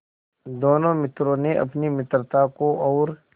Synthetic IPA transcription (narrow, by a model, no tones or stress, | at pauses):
d̪oːnõmɪt̪ɾõneʔɐ̰pnimɪt̪ɾət̪akoɔːɾ